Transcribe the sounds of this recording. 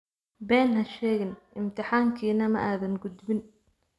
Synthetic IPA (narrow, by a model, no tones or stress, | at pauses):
bɛːnɦɐʃɛːɣɪnʔɪmt̪ʰɪħaːŋkʰiːnɐmɐ̰ʔaːðɐŋɡʊd̪bɪn